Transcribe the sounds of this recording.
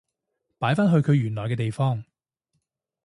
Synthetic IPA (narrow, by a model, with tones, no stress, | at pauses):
paː˨˥jfaː˥nɦɵ˧ɥkʰɵ˨˧ɥjyː˨˩nlɔː˨˩jkɛː˧t̪e˨jfɔː˥ŋ